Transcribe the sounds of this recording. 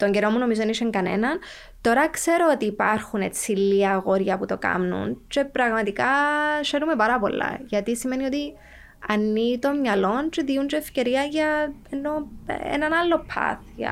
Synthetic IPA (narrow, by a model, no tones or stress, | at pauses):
t̪o̞ɲɟeɾo̞mːuno̞mizoðeniʃeŋkɐne̞̰nɐn | t̪o̞ɾɐkse̞ɾo̞ot̪iːpɐɾxunet͡sːilːiɐɣo̞ɾʝɐput̪o̞kɐ̰mnṵnt͡ʃe̞pɾɐɣmɐt̪ikɐseɾume̞pɐɾɐpo̞̰lːɐ̰ʝɐt̪isime̞nio̞t̪i | ɐnːit̪o̞mɲɐlo̞nt͡ʃeðiund͡ʒeːfce̞ɾiɐʝɐenːo̞ḛnɐnɐlːo̞pʰɐ̰θiɐ̰